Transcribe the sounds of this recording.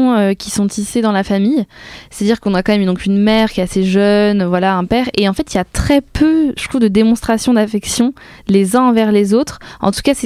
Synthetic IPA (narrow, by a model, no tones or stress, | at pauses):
økʲi̥sɔ̃t̪ʰised̪ɑ̃lafamijse̥t̪ad̪iʁkɔ̃nakɑ̃mɛmyd̪ɔ̃kynmɛʁkʲjɛt̪aseʒœnvwalaɛ̃pɛːʁeɑ̃fɛt̪iljat̪χɛpʰøʒə̥t̪χuvd̪əd̪emɔ̃st̪χasjɔ̃d̪afɛksjɔ̃ | lezɛ̃ɑ̃vɛʁlezot̪χɑ̰̃t̪u̥kasɛ